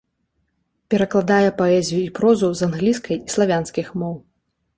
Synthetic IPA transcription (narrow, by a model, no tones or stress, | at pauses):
pʲɛɾɐklˠad̪ajɛpaɛzʲijuipɾɔzuzanɣlʲiskɐjislˠavʲanskʲixmɔw